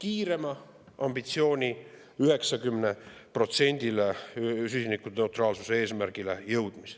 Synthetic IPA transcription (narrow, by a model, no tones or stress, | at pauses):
kiːɾe̞mɑ | ɑmb̥it̪sio̞ːnʲi | yɦe̞ksɑkymne | pro̞t̪se̞nʲd̪̥iles̬ysʲinikːune̞wt̪ˑrɑːlsuseeːsmæɾɡ̥ile̞jɤwd̪̥mis